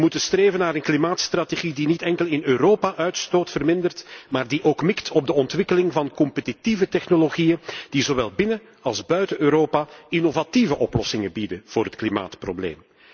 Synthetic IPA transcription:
mutənstreːvənaːɾənklimaːtst̪rateɣidinitɛŋkəlˠɪnøːɾoːpaʔœɥtstoːtfərmɪndərtmaːrdiʔoːkmɪktʰɔb̚dəɔntʋɪkəlɪŋvɑnkɔmpətitivətɛxnoloɣijənd̥izoʋɛlˠbɪnə | ɑlˠzbœɥtəøːɾoːpainovativəʔɔplɔsɪŋəbidəv̥oːɾɦətklima̰ːtpro̰blḛːm

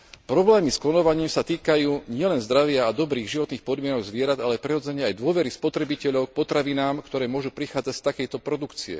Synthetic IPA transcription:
pɾɔblɛːmiskɔnɔʋaɲiːmsat̪iːkajuːɲɪɛlɛnzd̪ɾaʋɪaːd̪ɔbɾiːɣʒiʋɔt̪niːxpɔd̪mɪɛnɔɡzʋɪɛɾad̪alɛpɾɛɦɔd͡zɛɲɛajd̪ʊɔʋɛɾispɔt̪ɾɛbicɛʎɔʊk̚pɔt̪ɾaʋinaːmkt̪ɔɾɛːmʊɔʒupɾixaːd͡zacst̪akɛjt̪ɔpɾɔd̪ukt͡siɛ̰

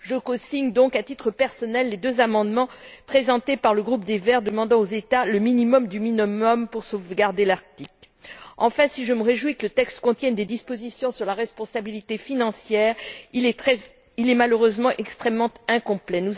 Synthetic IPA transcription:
ʒəkɔ̃siɲd̪ɔ̃kat̪it̪χəpɛʁsɔnɛlːed̪øzamɑ̃d̪mɑ̃pχezɑ̃t̪epaʁləɡʁup̚d̪evɛʁd̪əmɑ̃d̪ɑ̃ozet̪aləminimɔmd̪yminɔmɔmpuʁsovɡaʁd̪elaʁt̪ik | ɑ̃fɛ̃siʒəməʁeʒwikələt̪ɛkst̪kɔ̃t̪jɛ̃nd̪ed̪ispozisjɔ̃syʁlaʁɛspɔ̃sabilit̪efinɑ̃sjɛːʁ | ɛ | ilɛmaløʁøzmɑ̃ʔɛkst̪χɛmːɑ̃t̪ɛ̃kɔ̃plɛnu

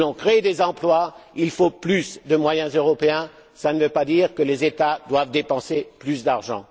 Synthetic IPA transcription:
lɔ̃kχed̪ezɑ̃plwailfoplysd̪əmwajɛ̃zøʁɔpeɛ̃ | sanəvøpad̪iʁkəlezet̪ad̪wavd̪epɑ̃seplysd̪aʁʒɑ̰̃

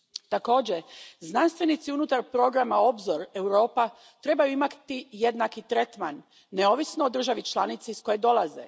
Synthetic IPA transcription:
t̪ako̞ːd͡ʑe̞znanst̪ʋe̞nit̪siunut̪aɾpɾo̞ɡɾamao̞bzoɾe̞wɾo̞ːpa | t̪ɾe̞bajuimakt̪ijed̪nakit̪ɾe̞t̪manː | e̞o̞ʋisnoːd̪r̩ʒaʋit͡ʃlˠanit̪siisko̞je̞d̪o̞lˠazḛ

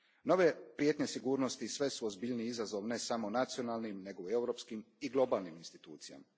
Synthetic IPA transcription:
no̞ʋe̞pɾjet̪ɲesiɡuːɾno̞st̪isʋe̞suozbiʎniizazo̞ʋne̞samo̞nat̪sio̞nalnimne̞ɡoe̞wɾo̞pskimiɡlˠo̞balniminst̪i̥t̪ṵːt̪sija̰ma

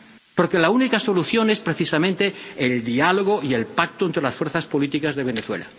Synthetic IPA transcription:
po̞ɾke̞launikaso̞luθjo̞ne̞spɾe̞θisamẽnt̪e̞eld̪ialoɣ̞oie̞lpak̚t̪oent̪ɾe̞lasfwe̞ɾθaspo̞lit̪ikazðe̞β̞e̞neθwe̞̰la̰

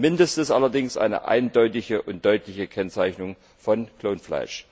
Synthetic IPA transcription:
mɪndəstn̩sʔa̰lɐdɪŋsʔa̰ɪnə̰ʔa̰ɪndɔʏtɪçəʔʊnt̚d̥ɔʏtlɪçəkʰɛnt͡saɪçnʊŋ | fɔnkʰloːnfla̰ɪʃ

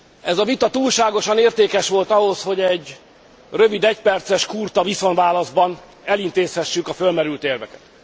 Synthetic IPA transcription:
ɛzɒvit̪ɒt̪uːlʃaːɡo̞ʃɒneːrt̪eːkɛʃʋo̞lt̪ɒɦo̞sho̞ɟɛɟ | røvid̪ɛcpɛrt̪sɛʃkurt̪ɒviso̞nvaːlɒzbɒn | ɛlint̪eːshɛʃːykɒfølmɛɾylt̪eːrvɛkɛt̪

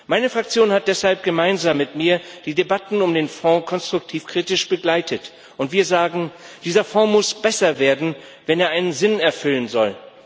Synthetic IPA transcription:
maɪnəfʁ̥ak̚t͡sjoːnhat̚d̥ɛshalp̚ɡ̥əmaɪnzaːmːɪtmiːɐd̥iːdebatn̩ʊmdeːnfɔ̃ːkʰɔnstʁ̥ʊk̚tʰiːfkʁ̥iːtɪʃb̥əɡlaɪtʰət | ʔʊntv̥iːɐzaːɡŋ̩d̥iːzɐfɔ̃ːmʊsb̥ɛsɐveːɐdn̩ | vɛneːɐʔaɪnənzɪnɛɐfʏlənzɔ̰l

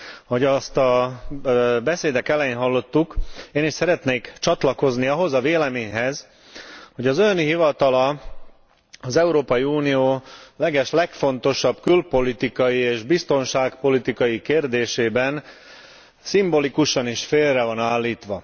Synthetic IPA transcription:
ho̞ɟɒst̪ɒ | bɛseːd̪ɛk̪ɛlɛjeːnɦɒlːo̞t̪ːukeːniʃsɛɾɛt̪neːkt͡ʃɒt̪lɒko̞zniɒɦo̞zɒveːlɛmeːɲɦɛz | ho̞ɟɒzønɦivɒt̪ɒlɒ | ɒzɛuɾoːpɒjiuːnijoːlɛɡɛʃlɛkfo̞nt̪o̞ʃɒbkylpo̞lit̪ikɒjieːʒbist̪o̞nʃaːkpo̞lit̪ikɒjikeːrd̪eːʃeːbɛn | simbo̞likuʃɒniʃfeːlrɛvɒnaːlːiːt̪ʋɒ

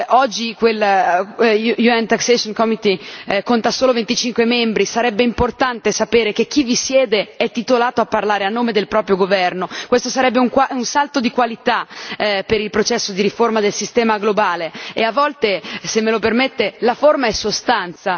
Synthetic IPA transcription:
ɔd͡ʒːikwel | juɛnt̪aksesonkɔmit̪ikont̪asoːlovent̪it͡ʃiŋkwemɛmbɾisaɾɛbːeimport̪ant̪esapeːɾek̟ek̟ːivːisjɛːd̪eɛt̪ːit̪olaːt̪oapːarlaːɾeanːoːmed̪elpɾɔːpɾjoɡovɛrnokwest̪osaɾɛbːeuŋkaunsalt̪od̪ikwalit̪apeɾilpɾot͡ʃɛsːod̪iɾiformad̪elsist̪ɛːmaɡlobaːleeavːɔlt̪esemːelopermet̪ːelaformaɛsost̪ant̪sa

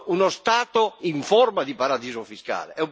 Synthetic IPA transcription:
unost̪aːt̪oiɱfɔrmad̪ipaɾad̪iːzofiska̰ːlḛɛum

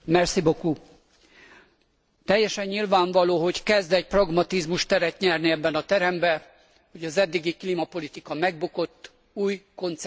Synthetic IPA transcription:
mɛrsiboku | t̪ɛjːɛʃɛɲːilvaːɱvɒloːɦo̞ɟkɛzd̪ɛcprɒɡmɒt̪izmuʃt̪ɛɾɛt̪ɲɛrniɛbːɛnɒt̪ɛɾɛmbɛ | ho̞ɟɒzɛd̪ːiɡiklimɒpo̞lit̪ikɒmɛɡ̚buko̞t̪ː | uːjko̞nt̪s

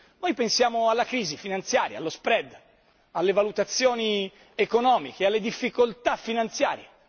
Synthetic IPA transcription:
nojpensjaːmoalːakɾiːzifinant̪sjaːɾja̰a̰lːospɾɛd̪ː | alːevalut̪at̪sːjoːni | ekonɔːmikealːed̪ifːikolt̪afːinant̪sja̰ːɾje

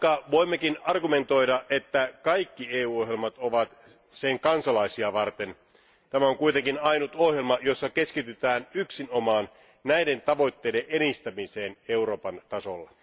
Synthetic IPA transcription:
kɑʋo̞imːekinɑrɡume̞nt̪o̞jɾɑʔʔe̞t̪ːækɑikːieːuːoɦjelmɑt̪oʋɑt̪ | seŋkɑnsɑlɑisiɑʋɑrt̪e̞n | t̪æmæoŋkujt̪eŋkinɑjnut̪o̞hjelmɑjo̞sːɑke̞skit̪yt̪æːnyksinomɑːn | næjde̞nt̪ɑʋo̞jt̪ːeijdeʔʔenist̪æmise̞ːneuɾo̞ːpɑnt̪ɑsolːɑ

